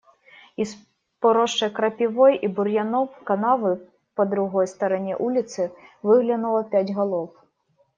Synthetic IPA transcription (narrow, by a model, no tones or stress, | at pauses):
is | pɔɾɔʂt͡ʂɐjkɾɐpʲiʋɔjʔiburjanɔpkanavɨ | pɐd̪ɾuɣɔjst̪ɐɾɐnʲɛ̰ʔulʲit̪sɨvɨɣlʲɐnulˠɐpʲad͡zʲɣalˠɔp